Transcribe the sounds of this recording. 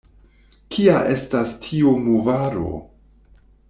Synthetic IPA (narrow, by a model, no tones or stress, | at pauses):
kʰiaʔe̞stastʰiomovaɾo̞̰